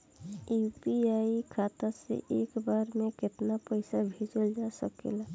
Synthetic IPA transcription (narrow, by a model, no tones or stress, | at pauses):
jupiaikʰat̪asḛʔeːkbaːɾmẽkɪt̪napəɪsabʱid͡ʒəld͡ʒasəkḛla